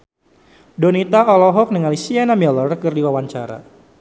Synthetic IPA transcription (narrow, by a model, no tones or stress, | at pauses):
dɔnit̪aɔlɔɦɔk̚nəŋalisianamɛlɔrkɨrdiwawaɲt͡ʃaɾa̰